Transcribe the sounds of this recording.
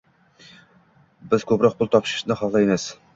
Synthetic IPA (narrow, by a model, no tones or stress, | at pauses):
bɪz̥kʲʰopɾɑq̚bʊlˠt̪ʰɑpʃi̥ʃnɨχɑʁlˠɑjmɨz̥